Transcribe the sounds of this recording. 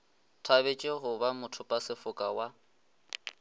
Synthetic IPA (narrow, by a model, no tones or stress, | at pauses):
tʰaβet͡ʃʼeɦʊbamʊtʰʊpʼasɪfʊkʼawa